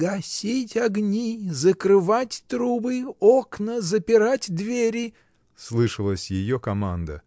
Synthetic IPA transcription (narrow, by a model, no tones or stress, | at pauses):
ɡɐsʲitʲɐɡnʲizəkɾɨvatʲt̪ɾubɨoknəzəpʲɪɾatʲd̪vʲeɾʲɪ | slˠɨʂɨlˠəsʲjɪjokɐma̰nd̪ə̰